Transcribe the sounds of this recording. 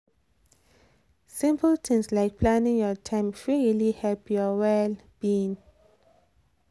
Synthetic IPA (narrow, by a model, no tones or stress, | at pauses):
sĩmpʰəltʰĩŋslajk̚pʰlãnĩŋjɔtʰãɪ̃mfɹilihɛlpʰjɔwɛlb̥ĩn